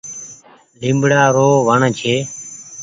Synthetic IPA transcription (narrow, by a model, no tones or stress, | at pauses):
limbɽaːɾoːʋəɳt͡ʃʰeː